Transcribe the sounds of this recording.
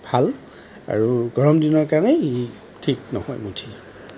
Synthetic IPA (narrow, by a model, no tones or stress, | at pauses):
bʱal | a̰ɹuɡɔɹɔmdinɔɹkaɹnɛi | tʰiknɔ̰hɔjmutʰi